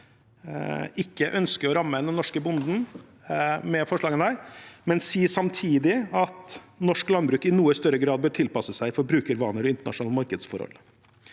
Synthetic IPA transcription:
ɪkːəʔœnskəɾɔɾɑmːənɛnːɔʂkəbʊnd̪n̩ | mɛfɔʂɭɑːɡənæːɾmɛnsiːsɑmt̪ʰiːd̪ɪɑt̪nɔʂklɑnbɾʉːkɪnuːəst̪œɾəɡɾɑːd̪̚bøːʈʰɪlpɑsəsæɪfɔɾbɾʉːkəɾʋɑ̰ːnəɾɔɪnt̪əɳɑ̰ʂʊnɑːlmɑɾkəd̪sfɔ̰ɾhɔ̰lː

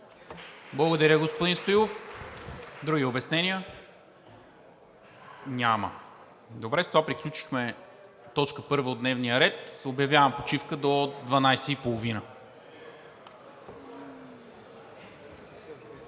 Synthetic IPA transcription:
blˠɐɡod̪ɐɾʲəɡospod̪inst̪ojˠof | d̪ɾuɡiobɛsnɛniə | nʲamə̰ | d̪obɾɛzət̪ovapɾiklʲut͡ʃi̥xmɛ | t̪ɔt͡ʃkəpɤɾvəod̪nɛvnijəɾɛt̪objɐvjavɐmpot͡ʃifkəd̪od̪vɐnajsɛipolˠovinə

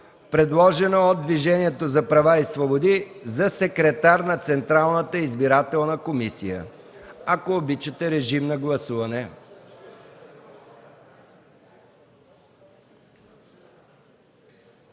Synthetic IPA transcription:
pɾɛd̪lˠɔʒɛnood̪ːviʒɛniɛt̪ozɐpɾɐvaisvobod̪izɐsɛkɾɛt̪aɾnɐt̪sɛnt̪ɾalˠnət̪əizbiɾat̪ɛlˠnəkomisḭjə̰akoːbit͡ʃət̪ɛɾɛʒimnɐɡlˠɐsuvɐnɛ

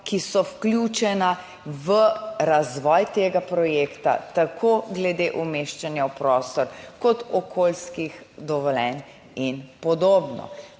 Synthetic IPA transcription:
kisɔwkljuːt͡ʃɛna | ʋəɾazʋɔːjt̪eːɡapɾɔjeːkt̪a̰t̪akʰoɡlɛd̪eʔumeːʃt͡ʃanjawpɾɔːst̪ɔɾkɔt̪ɔkʰoːlskix | d̪ɔʋɔlɛn | inpɔd̪oːbnɔ̰

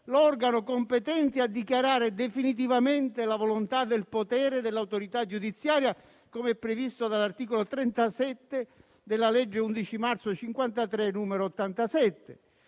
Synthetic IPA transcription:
lɔrɡanokompɛt̪ɛnt̪ɪad̪ikjaɾaːɾed̪efinit̪̬ivamɛnt̪ɪlavolont̪ad̪elpot̪ɛːɾɪd̪ɪlːawt̪oɾit̪ad͡ʒud̪it̪sːjaːɾja | komeɛpːɾevist̪od̪alːart̪iːkolot̪ɾɛnt̪asɛt̪ːɪ | d̪ɪlːalɛd͡ʒːeund̪it͡ʃimart̪sʊt͡ʃiŋkwant̪at̪ɾɛnuːmeɾoːt̪ːant̪asɛt̪ːe

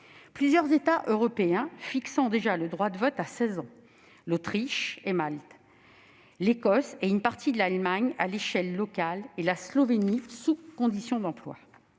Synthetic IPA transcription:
plyzjœʁzet̪aʔøʁɔpeɛ̃fiksɑ̃d̪eʒaləd̪ʁwad̪əvɔt̪asɛzɑ̃ | lot̪χiʃemalt̪ | lekɔseynpaʁt̪ʰid̪əlalmaɲa̰leʃɛlːɔkalelaslɔvenisukɔ̃d̪isjɔ̃d̪ɑ̃plwa̰

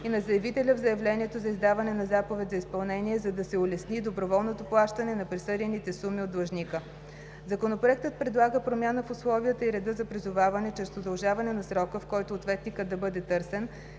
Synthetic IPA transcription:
inɐzɐjɛvit̪ɛlʲəvzɐjɛvlɛnʲiɛt̪ozɐizd̪avɐnɛnɐzapovɛt̪ʲzɐispɐlˠnɛniɛzɐd̪ɐsɛʊlɛsnid̪obɾovɔlˠnot̪oplˠaʃt̪ɐnɛnɐpɾisɤd̪ɛnit̪ɛsumiod̪lˠɐʒnikə | zɐkonopɾoɛk̚t̪ət̪̚pɾɛd̪lˠaɡəpɾomʲjanəfʊslˠɔviət̪əiɾɛd̪əzɐpɾizʊvavɐnɛt͡ʃɾɛst̪p̪od̪ɐlˠʒavɐnɛnɐsɾɔkəfkɔjt̪oːt̪vɛt̪nikət̪ːɐbɤd̪ɛt̪ɤɾsɛn

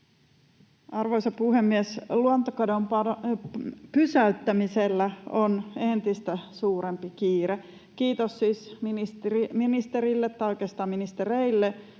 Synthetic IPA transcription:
ɑrʋoisɑpuhemːiesluont̪okodompɑ | pysæyt̪ːæmiselːæonent̪ist̪æsuːɾempikiːɾe | kiːt̪ossiːsminist̪minist̪eɾilːet̪ːɑoikest̪ɑːminist̪ereilːe

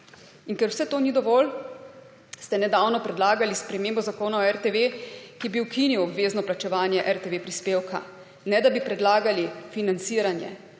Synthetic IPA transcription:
inkɛɾwsɛt̪oːnid̪ɔʋɔl | st̪ɛnɛd̪aːwnɔpɾɛd̪laːɡalispɾɛmeːmbɔzakoːnaɔɛɾt̪eʋekibiwkiniwɔbʋeːznɔplat͡ʃɛʋaːnjɛʔɛɾt̪eʋeːpɾispeːwkʰa̰ | nɛd̪abipɾɛd̪laːɡalifinant̪siːɾanjɛ̰

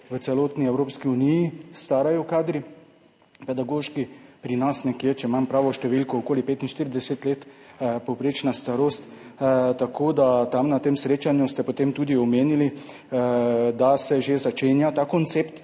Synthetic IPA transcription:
ʋət̪sɛloːt̪niɛwɾoːpskiunijist̪aːɾajɔkaːd̪ɾi | pɛd̪aɡoːʃkipɾinasnɛkjet͡ʃɛmampɾaːʋɔʃt̪ɛʋilkɔokoːlipeːt̪inʃt̪iɾid̪ɛset̪leːt̪pɔwpɾeːt͡ʃnast̪aɾoːst̪t̪akʰoːd̪at̪amnat̪eːmsɾeːt͡ʃanjust̪ɛpot̪eːmt̪uːd̪iɔmeːnili | d̪asɛʒezat͡ʃenjat̪aːkɔnt̪sept̪

